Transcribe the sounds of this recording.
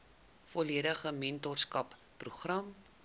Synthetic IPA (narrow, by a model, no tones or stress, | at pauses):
fɔliəɾəχəmɛntɔrskɐpːruχrɐm